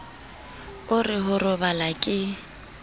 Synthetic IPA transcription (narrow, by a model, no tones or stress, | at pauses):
ʊrɪɦʊrʊbalakʼɪ